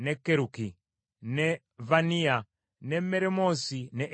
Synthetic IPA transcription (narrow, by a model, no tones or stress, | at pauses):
nɛkːeɾuki | nɛ | vania | nɛmɛɾɛmɔsinɛʔ